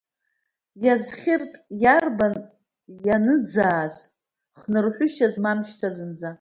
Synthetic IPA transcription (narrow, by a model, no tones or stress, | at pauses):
jazχʲɪrtʼjarban | janɨd͡zaːz | χnɨrħʷʊʃazmamʃtʰazɨnd͡za